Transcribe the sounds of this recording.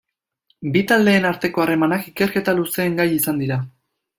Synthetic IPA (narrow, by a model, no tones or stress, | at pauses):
bit̪ald̪e̞ːnaɾt̪e̞ko̞are̞manakike̞ɾke̞t̪aluse̞ːŋɡajisand̪iɾa